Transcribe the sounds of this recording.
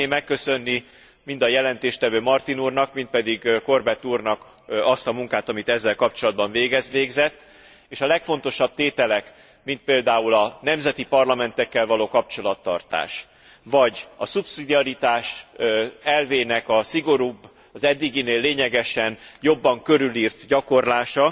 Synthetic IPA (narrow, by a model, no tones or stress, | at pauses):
neːmːɛkːø̞sø̞nːi | mind̪ɒjɛlɛnt̪eːʃt̪ɛvøːmɒrt̪inuːrnɒkmint̪̚pɛd̪iɡko̞rbɛt̪ːuːrnɒk | ɒst̪ɒmuŋkaːt̪ɒmit̪ɛzːɛlkɒpt͡ʃo̞lɒd̪̚bɒɱveːɡɛzʋeːɡzɛt̪ː | eːʃɒlɛkfo̞n̪t̪o̞ʃɒb̥̚t̪eːt̪ɛlɛk | mint̪̚peːld̪aːulɒnɛmzɛt̪ipɒrlɒmɛnt̪ɛkːɛlvɒloːkɒp̚t͡ʃo̞lɒt̪ːɒ̰rt̪a̰ːʃ | vɒɟɒsupsid̪iɒɾit̪aːʃ | ɛlveːnɛkɒsiɡo̞ɾuːbː | ɒzɛd̪ːiɡineːlːeːɲɛɡɛʃɛnjo̞bːɒŋkø̞ɾyliːrt̪ɟɒko̞rlaːʃɒ